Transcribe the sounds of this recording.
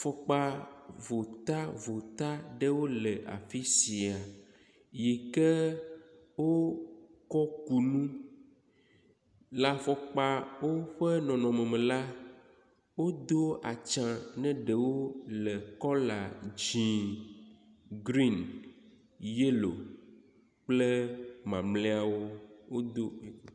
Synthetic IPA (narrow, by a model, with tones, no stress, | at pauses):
fɔ˨k͡pa˦vo˨t̪a˦vo˨t̪a˦ɖɛ˦wo˦lɛ˨ʔa̰˨fi˦si˨a˨ | je˨kɛ˦ | wo˦kɔ˦ku˨nũ˦ | la˨fɔ˨k͡pa˦wo˦ɸɛ˦nɔ̃˨nɔ̃˨mɛ̃˨mɛ̃˨la˦ | wo˦d̪o˦a˨t͡ʃã˨nɛ̃˦ɖɛ˨wo˦lɛ˨kɔ˦la˨d͡ʒĩ˨ | ɡɾi˦˨n | je˦lo̰˨ | k͡plɛ˦mã˨mlɛ˦a˨wo˦wo˦d̪o˦˨